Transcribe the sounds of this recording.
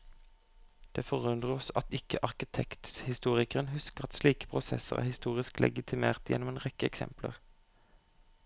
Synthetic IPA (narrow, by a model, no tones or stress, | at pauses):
d̪̥eːfɔʁʉnd̪ʁəʁɔsɑt̪ɪkəʔɑʁkɪt̪ʰɛkt̪hɪst̪uːʁɪkəʁənhʉskəʁɑt̪sliːkə̥pʰʁʊsɛ̰səʁæ̰ːhɪst̪uːʁɪsklʔɛ̰ɡɪt̪ʰɪmeːʁt̪jɛ̰nɔmeːnʁɛkəɛksɛ̰mplə̰ʁ